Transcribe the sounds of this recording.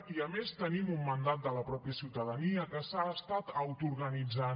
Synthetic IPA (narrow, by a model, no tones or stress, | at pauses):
iəmest̪ənimumːənd̪at̪̚d̪ələpɾɔpjəsiwt̪əðəniəkəsaːst̪at̪əwt̪uɾɣənid͡za